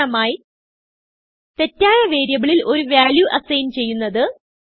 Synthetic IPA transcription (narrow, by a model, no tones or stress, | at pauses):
ɐmaːji | t̪e̞tːaːjɐʋe̞ːɾjɐɣɐɭilʔo̞ɾuʋjaːljuʔɐsɐjnt͡ɕe̞jːunːɐðɨ